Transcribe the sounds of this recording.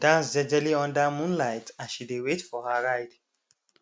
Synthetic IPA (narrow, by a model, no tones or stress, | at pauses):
d̥ãsdɛd͡ʒɛliɔ̃ndamũnlaɪtãnʃidewetfɔhaɹaɪd